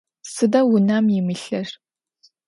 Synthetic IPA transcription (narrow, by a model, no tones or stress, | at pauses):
sɨdɐwʊnɐmjɪmɨɬɐr